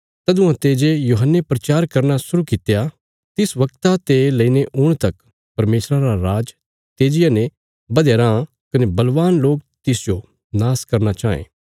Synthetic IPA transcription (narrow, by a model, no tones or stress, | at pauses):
t̪ɐd̪ʊ̃ãt̪eːd͡ʒejuːɦənːepɾɐt͡ʃaːɾkɐɾnasʊɾukɪt̪ja | t̪ɪsʋɐkt̪at̪elɐiːneʔʊɽ̃t̪ɐk | pɐɾmeːsɾaɾaɾaːd͡ʒ | t̪eːd͡ʒɪjane | bɐd̪eːɾã | kɐnebɐlʋaːnloːk̚t̪ɪsd͡ʒo | naːskɐɾnat͡ʃaːḛ̃ː